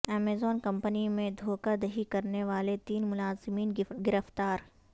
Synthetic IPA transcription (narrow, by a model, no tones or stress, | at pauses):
ɛːmeːzɔːnkɐ̃mpənimẽd̪ʱoːkad̪ɐɦikɐɾneʋaːlet̪iːnmʊlaːzɪmiːnɡɪɾəft̪aːɾ